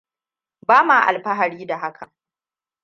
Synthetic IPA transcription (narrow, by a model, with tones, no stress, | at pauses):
baː˦maː˨ʔa̰˨lɸa˦ɦa˨ɽiː˦da˨ɦa˦kʰa˨